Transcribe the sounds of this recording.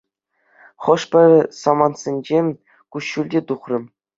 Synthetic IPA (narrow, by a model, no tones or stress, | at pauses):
χɤ̆ʂpʲɘ̆rʲɘsɑmɑnsʲenʲd͡ʑemʲ | kuɕːulʲdʲet̪uχrɤ̆m